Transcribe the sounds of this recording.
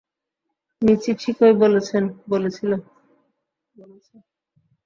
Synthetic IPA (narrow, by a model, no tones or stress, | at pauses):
mit͡ɕiʈʰikojbolet͡ɕʰenbolet͡ɕʰilo | bolet͡ɕʰe